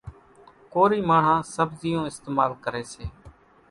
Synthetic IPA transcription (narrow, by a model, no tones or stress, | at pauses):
koːɾiːmaːɳ̤ãːsəbzɪjõːɪst̪eːmaːlkəɾeːseː